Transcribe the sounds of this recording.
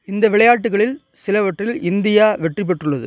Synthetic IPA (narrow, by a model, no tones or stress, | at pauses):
ɪnd̪ɐʋɪɭɐjaːʈ̬ːɯɣɐɭɪl | sɪlɐʋɐʈrɪlɪnd̪ɪjaːʋɛʈrɪp̬ːɛʈrɯɭːɐðɯ̰